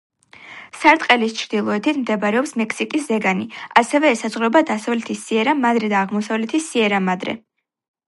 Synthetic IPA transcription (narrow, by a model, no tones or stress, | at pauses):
saɾt̪ʼqʼɛlist͡ʃʰɾd̪ilˠɔɛt̪ʰit̪ʰmd̪ɛbɾɛɔpsmɛkʰsikʼiszɛɡaniasɛvɛːsazʁlɔbad̪asavlɛt̪ʰisːiɛɾamad̪ɾɛd̪aːʁmɔsavlɛt̪ʰisːiɛɾamad̪ɾɛ̰